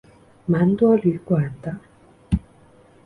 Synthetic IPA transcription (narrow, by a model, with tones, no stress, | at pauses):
ma˨˥˦nt̪wɔ˥ly˧˥˦kwa˨˩nt̪ə˦